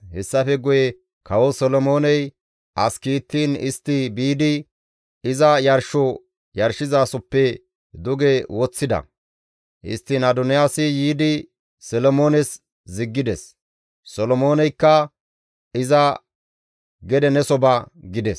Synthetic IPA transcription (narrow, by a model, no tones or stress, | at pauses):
hɛsːɐfɛɡʊjɛ | kɐwɔsɔlɔmo̞ːnɛj | ʔɐskiːt̪ːiːnɪst̪ːɪbiːd̪ɪ | ɪzɐjɐɾʃɔ | jɐɾʃɪzaːsɔpːɛ | d̪ʊɡɛwɔt͡sːɪd̪ɐ̰ | ʔɪ̰st̪ːɪnad̪ɔnɪjaːsɪjiːd̪ɪ | sɛlɔmo̞ːnɛs | zɪɡːɪd̪ɛs | sɔlɔmo̞ːnɛjkːɐ | ɪzɐ | ɡɛd̪ɛnɛsɔbɐɡɪd̪ɛs